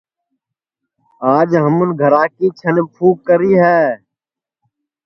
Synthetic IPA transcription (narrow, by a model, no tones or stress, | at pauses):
aːd͡ʒɦəmʊnɡʱəɾaːkiːt͡ʃʰənpʰuːkəɾiːɦɛː